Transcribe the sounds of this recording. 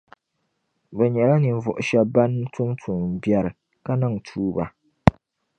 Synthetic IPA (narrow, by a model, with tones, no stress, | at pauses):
bɛ˨ɲɛ˨la˦nɨ˨ɱ˨vɔ˨ʔʊ˨ʃɛ˦ba˦n˦tʊ˦mtʰu˨mbjɛ˦ɾɨ˨ | ka˦na˦ŋ˨tʰuː˦ba˨